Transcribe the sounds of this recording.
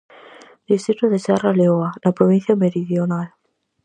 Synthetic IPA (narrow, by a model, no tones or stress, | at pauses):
d̪ist̪ɾit̪oðesaraleoanapɾoβĩn̟θjameɾiðjonal